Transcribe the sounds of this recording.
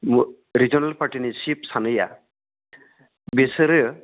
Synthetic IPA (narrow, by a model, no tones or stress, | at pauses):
ɾid͡ʒɔnalpʰaɾʈinisipsanɯja | bisɯɾɯ